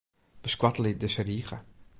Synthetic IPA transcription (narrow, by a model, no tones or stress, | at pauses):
b̥əskwatəlidəsəriːχə̰